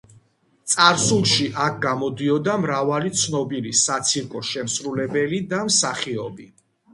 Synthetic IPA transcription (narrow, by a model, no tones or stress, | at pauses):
t̪sʼaɾsulˠʃiʔak̚ʰɡamɔd̪iɔd̪amɾavalit̪sʰnɔbilisat̪sʰiɾkʼɔʃɛmsɾulɛbɛlid̪amsaχiɔbi